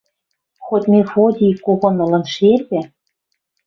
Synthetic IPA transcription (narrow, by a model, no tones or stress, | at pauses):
xot̪ʲmʲefod̪ʲikoɣonɤ̆lɤ̆nʃelpæ